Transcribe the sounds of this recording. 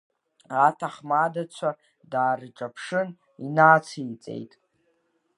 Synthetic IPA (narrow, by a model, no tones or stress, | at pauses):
atʰaχmadat͡ɕʷʰa | daːrʈ͡ʂʼapʰʂɨn | inaːt͡sʰɨit͡sʼe̞̰jtʼ